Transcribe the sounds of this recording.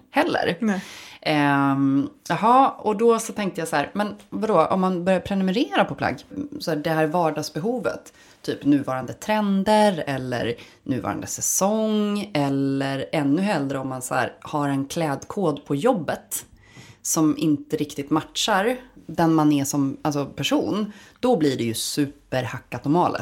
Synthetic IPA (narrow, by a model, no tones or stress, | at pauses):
hɛlːə̰ɾ | ɦɑːɔd̪ɔsɔt̪ʰɛŋk̚t̪əjasæːɾmɛnvad̪ɔːʔɔ̰mːanbœɾjapʰɾɛnɵmɛɾeːɾapʰɔpʰla̰ɡsɔæːɖɛɦæːɾvɑːɖɑːɡsbɛɦuːvə̰t̪ʰː | yːpnʉ̟ːvɑːɾand̪ət̪ʰɾɛnd̪əɾɛlːə̰ɾ | nʉ̟ːvɑ̰ːɾa̰nd̪əsɛsɔŋɛləɾɛnːɵɦɛld̪ɾəɔmːansæ̰ːɾhaɾɛnkʰlɛːd̪kʰoːd̪pʰɔjɔbːət̪ | sɔmɪnt̪əɾɪkt̪ɪt̪matʂaɾd̪ɛnmanɛʂɔmals̬ɔpʰæʂuːnd̪̥ɔbliɖɛjɵsʉ̟ːpəɾhakːat̪ɔɾmɑːlə̰